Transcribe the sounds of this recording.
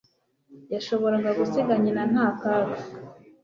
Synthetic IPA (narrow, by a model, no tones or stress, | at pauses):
jaʃo̞βo̞ɾaŋɡaɡuseɡaɲinan̥haːkaːka